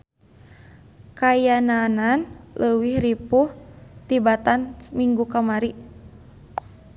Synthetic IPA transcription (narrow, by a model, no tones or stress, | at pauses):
kajanananlʔəwihripuht̪ibat̪anmiŋɡukamaɾi